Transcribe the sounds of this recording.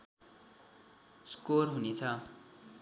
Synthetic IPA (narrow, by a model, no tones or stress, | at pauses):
skorɦunet͡sʰʌ